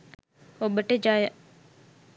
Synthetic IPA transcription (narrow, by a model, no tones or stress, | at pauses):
obəʈəd͡ʒaːjə